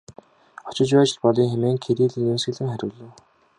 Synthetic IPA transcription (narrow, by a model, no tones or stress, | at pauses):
ɔ̥t͡ɕɪ̆t͡ɕpæːt͡ɕɪ̆ɮpɔɮiːŋxemeːŋkʰeɾiːɮɘ̆ːnɵnsɡɘ̆ɮɘ̆ŋχæɾʲʊ̆ːɮɘ̆w